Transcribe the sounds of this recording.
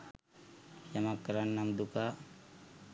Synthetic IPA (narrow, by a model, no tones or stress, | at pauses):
jamakːɾanːamd̪uka